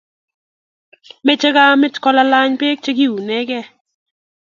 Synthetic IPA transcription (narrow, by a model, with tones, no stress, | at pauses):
me˦t͡ʃe˦ɡa˦mɪ˦tkɔ˦la˦la˦ɲpe˦k̚t͡ʃe˦ɡi˦u˨nɛ˦ɡɛ˦